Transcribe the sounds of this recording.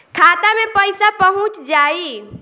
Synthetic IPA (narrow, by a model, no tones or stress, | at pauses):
kʰat̪amepəjsapəɦũt͡ʃd͡ʒai